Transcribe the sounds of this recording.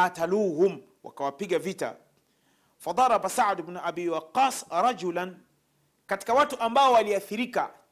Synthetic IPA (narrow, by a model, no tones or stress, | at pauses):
aːtaluːhʊm | wʔa̰kawapiɠavita̰ | fɑd̪ˤɑɾˤɑbasaʕd̪bnuʔabiwɑqːɑːsɾɑd͡ʒulan | kati̥kawatuʔambaɔwaliaθiɾika